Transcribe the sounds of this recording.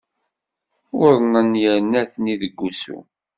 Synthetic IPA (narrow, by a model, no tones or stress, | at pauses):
wʊɾˤnənjəɾnæθniðəɡʷːusṵ